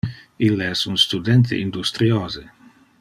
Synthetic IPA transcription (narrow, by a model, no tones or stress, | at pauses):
ilːeɛsunst̪ud̪ɛnt̪̬ʰḛʔind̪ust̪ɾioːze